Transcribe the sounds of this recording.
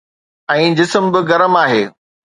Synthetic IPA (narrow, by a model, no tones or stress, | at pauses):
ɛ̃ːd͡ʑɪsəmbɪɣɐɾəmaːɦeː